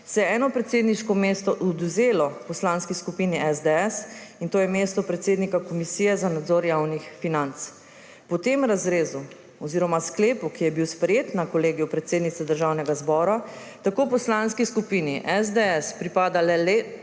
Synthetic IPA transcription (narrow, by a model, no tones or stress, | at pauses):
sɛjɛɛːnɔpɾɛt̪seːd̪niʃkɔmeːst̪ɔʔɔd̪uzeːlɔpɔslaːnskiskupiːniʔɛzd̪eɛsint̪oːjɛmeːst̪ɔpɾɛt̪seːd̪nikakɔmisijɛzanad̪zoːɾjawnixfinant̪s | pɔt̪emɾazɾeːzu | ɔziːɾɔmaskleːpukijɛbiwspɾɛjeːt̪nakɔleːɡijupɾɛt̪seːd̪nit̪sɛd̪əɾʒawnɛɡazbɔːɾa | t̪akoːpɔslanskiskupiniʔɛzd̪ɛɛspɾipaːd̪alɛlɛ